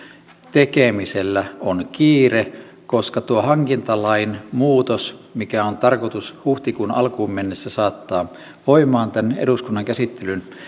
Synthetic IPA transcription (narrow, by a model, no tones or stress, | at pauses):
t̪ekemiselːæonkiːre | koskɑt̪uohɑŋkint̪ɑlɑinmuːt̪osmikæont̪ɑrkot̪ushuht̪ikunɑ̰lkuːmːenːesːæsɑːt̪ːɑː | ʋoimɑːnt̪ænḛɾuskunːɑŋkæsit̪ːelyn